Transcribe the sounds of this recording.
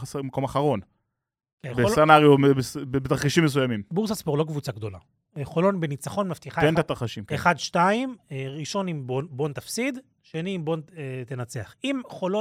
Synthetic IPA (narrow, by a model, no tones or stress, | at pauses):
asemako̞maχaʁo̞n | kebesanaʁijoebesbbet̪aʁχiʃimːes̬ujamimbuʁsaspoʁlokvut͡saɡd̪o̞la̰ | χo̞lo̞nbenit͡saχo̞nmaft̪iχaet̪at̪aʁχaʃimeχad̪ʃtaimʁiʃonimbobo̞nt̪afsid̪ | ʃeniimbo̞net̪enat͡se̞aχimχo̞lo